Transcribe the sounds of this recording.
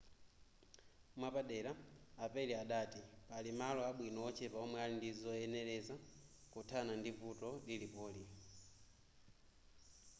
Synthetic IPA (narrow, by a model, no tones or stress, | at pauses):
mwapaɗɛɾaapɛliaɗatipalimalɔaɓwinɔɔt͡ʃʰɛpaɔmwɛalindizɔɛnɛɾɛzakutʰanandivutɔlilipɔːli